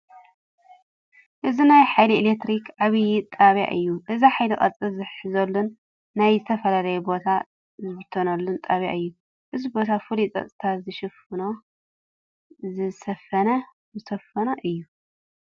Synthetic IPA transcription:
ʔɨzinajħajlielekt̪ɾikʰʕaβjit̪ʼaβja̰ʔɨjːuʔɨziħajlikʼɐ̰t͡sʼɨzɨħɨzɐlːunː | ajzɨt̪ʰɐfɐlalɐjɛbo̞t̪ʰa | zbɨt̪ʰonɐlːunt̪ʼaβja̰ʔɨjːu | ʔɨzibo̞t̪ʰafɨlit͡s̪ʼɐ̰t͡sʼɨt̪ʰazɨʃɪfɨno | zɨsɐfɐnɐ | zɨsɐfɐnɐʔɨjːu

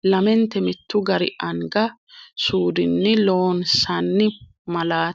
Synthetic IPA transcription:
lɐmɛnt̪ɛmɪt̪ːʊɡɐɾɪ̰ʔɐŋɡɐsuːd̪ɪnːɪlo̞ːnsɐnːɪ | mɐlaː

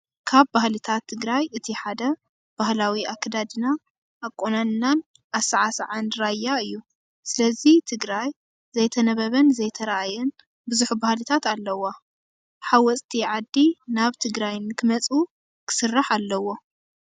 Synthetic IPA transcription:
kʰaβbahlit̪ʰat̪ʰːɨɡɾajɨt̪ʰiħad̪ɐ | b̥ahlawiakʰːɐd̪ad̪ɨna | ʔːkʼːonannan | asaʕasʕanɾajːaɨjːu | sɨlɐzit̪ʰɨɡɾaj | zɐjt̪ʰɐnɐβɐβɐnzɐjt̪ʰɐɾaʔajɛn | bɨzuħubahlɨt̪ʰat̪alːɐwa | ħawɔt͡sʼt̪ʰiʕad̪ːinaβt̪ʰɨɡɾajnkʰɨmɐt͡sʼu | kʰɨ̥sɨrːaħalːɐwo̞

